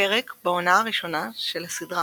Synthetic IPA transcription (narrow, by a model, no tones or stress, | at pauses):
eʁekbao̞naːʁiʃo̞naʃelhasidʁa